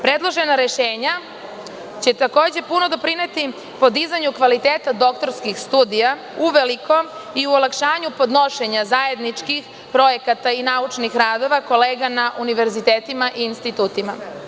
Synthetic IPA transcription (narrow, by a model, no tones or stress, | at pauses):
pɾe̞d̪lˠoʒe̞naɾe̞ʃeːɲa | t͡ɕe̞t̪ako̞ːd͡ʑe̞puno̞d̪o̞pɾine̞t̪i | po̞d̪izaɲukʋalit̪eːt̪ad̪o̞kt̪o̞ɾskixst̪uːd̪ija | uʋe̞liko̞miuolˠakʃaːɲupo̞d̪no̞ʃe̞ɲazaje̞d̪nit͡ʃkix | pɾo̞je̞kat̪ainaut͡ʃnixɾaːd̪o̞ʋako̞le̞ːɡanaʔuniʋe̞ɾzit̪eːt̪imaʔiːnst̪it̪uːt̪ima